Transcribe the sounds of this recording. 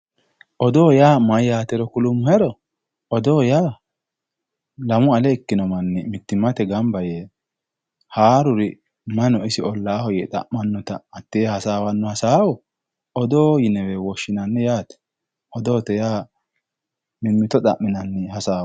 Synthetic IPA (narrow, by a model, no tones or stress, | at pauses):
ʔɔd̪ɔːjaːmɐjjaːt̪ɛɾɔkʊlʊmːʊhɛɾɔ | ʔɔd̪oːjaː | lɐmʊɐlɛɪkːɪnɔmɐnːɛmɪt̪ːɪmɐt̪ɛɡɐmbɐje | haːɾʊɾɪ | mɐnɔɪsɪɔlːaːhɔjɛt̪ʼɐ̰ʔmɐnːɔt̪ɐːt̪ːɪhɐsaːwɐnːɔhɐsaːwɔ | ɔd̪oːjɪnɛwɛwɔʃːɪnɐnːɛjaːt̪ɛ̥ | ʔɔd̪oːt̪ɛjaː | mɪmːɪt̪ɔtʼɐ̰ʔːɪnɐnːɛhɐsaː